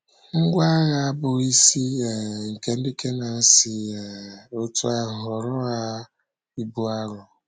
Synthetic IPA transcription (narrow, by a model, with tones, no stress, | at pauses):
ŋ̩˦ɡʷa˦ɣa˨a˦bʊ˨i˦si˦ɛ˨ŋ̩˨ke˦n̩˦di˦ke˦na˨n̩˦sɪ˨ | o˦tʊ˦a˦˨ɦʊ˨ɾʊ˦a˦ | i˦bu˦a˦ɾʊ˨